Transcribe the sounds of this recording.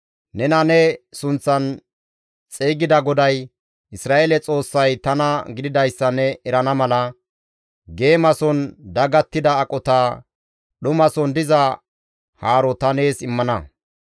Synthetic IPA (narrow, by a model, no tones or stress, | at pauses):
nɛnɐnɛsʊnt͡sːɐn | t͡sʼeːɡɪd̪ɐɡɔd̪ɐj | ʔɪsɾaːʔelɛt͡sʼo̞ːsːɐjt̪ɐnɐɡɪd̪ɪd̪ɐjsːɐnːɛɛɾɐnɐmɐlɐ | ɡe̞ːmɐsɔnd̪ɐɡɐt̪ːɪd̪ɐːkʼɔt̪aː | ɗʊmɐsɔnd̪ɪzɐ | haːɾɔt̪ɐne̞ːsɪmːɐnɐ